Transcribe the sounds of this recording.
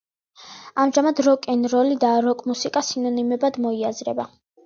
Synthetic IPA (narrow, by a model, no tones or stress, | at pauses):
amʒamad̪ɾɔkʼɛnɾɔlid̪aɾɔkʼmusikʼasinɔnimɛbad̪mɔiazɾɛ̰ba